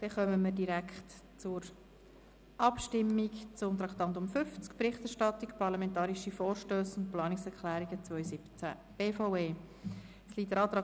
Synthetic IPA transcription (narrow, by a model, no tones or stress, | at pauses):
d̥ɛχœməmədiɾækχt | t͡sʊɾ | ʔɑpʃtɪmːikt͡sʊmt̪ɾɑkt̪ɑnd̪ʊmfʏft͡skpɾɪχtɛɾʃtɑt̪ikpʰɑɾlɑmɛntɑːɾiʃifɔːɾʃtøːsʊntplɑːnɪksɛɾklæːɾiɡ̥ət͡svœʏsɪpt͡sæ̰ | b̥eːfaʊeː | sliːtəɾɑːt̪ɾɑː